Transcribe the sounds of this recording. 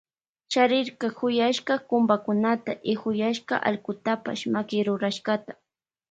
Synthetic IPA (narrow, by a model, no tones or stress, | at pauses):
ʃaɾɪɾkɑxʊjaʃqɑkʊmbakʊnat̪aʔɪxʊjaʃqɑ̰ʔa̰lkʊt̪apa̰ʃmakɪɾʊɾaʃkat̪ḁ